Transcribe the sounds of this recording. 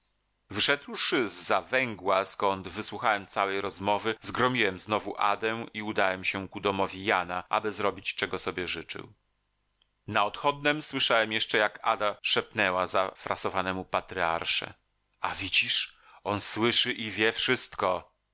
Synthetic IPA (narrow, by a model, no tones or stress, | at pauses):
vɘʂɛd̪wʂɘzːavɛŋɡwaskɔnd̪vɘswuxawɛmt̪sawɛjɾɔzmɔvɘzɡɾɔmʲiwɛmznɔvuʔa̰d̪ɛw̃iud̪awɛmɕɛkud̪ɔmɔvʲijanaʔa̰bɘzɾɔbʲit͡ɕt͡ʂɛɡɔsɔbʲjɛʐɘt͡ʂɘ̰w | naɔt̪xɔd̪̚nɛmswɘʂawɛmjɛʂt͡ʂɛjaka̰d̪aʂɛpnɛwazafɾʔa̰sɔvanɛmupat̪ɾɘa̰ɾʂɛ̰ | avʲid͡ʑiʂ | ɔnswɘʂɘʔivʲjɛfʂɘst̪kɔ